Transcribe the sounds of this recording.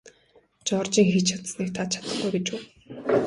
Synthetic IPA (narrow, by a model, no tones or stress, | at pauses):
t͡ɕɔrt͡ɕiːŋxit͡ɕt͡ɕʰat̪sniːkt̪ʰat͡ɕʰḁt̪ə̥̆χɡujɡet͡ɕuː